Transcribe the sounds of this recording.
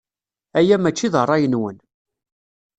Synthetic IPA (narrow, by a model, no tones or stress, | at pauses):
æjæmæt͡ʃːiðərˤːɑjənwən